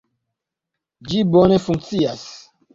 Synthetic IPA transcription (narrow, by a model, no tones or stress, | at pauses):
d͡ʒibɔnɛfuŋt͡sias